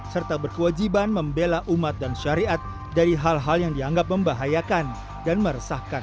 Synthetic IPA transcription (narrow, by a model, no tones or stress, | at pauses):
sərt̪abərkəwad͡ʒibanməmbelaʔumat̪̚danʃaɾiʔat̪̚ | daɾiɦalɦaljaŋdiaŋɡap̚məmbaɦajakan | danməɾəsahkan